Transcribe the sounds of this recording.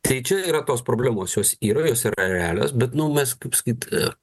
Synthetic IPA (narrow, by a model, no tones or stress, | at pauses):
t̪ɐɪt͡ʃʲɛiːɾɐt̪oːspɾoːblʲæːmoːsjoːsiːɾɐjoːsiːɾɐɾʲɛæːlʲo̰ːsbʲɛt̪nʊmʲɛskɐɪpsɐ̥kʲiːt̪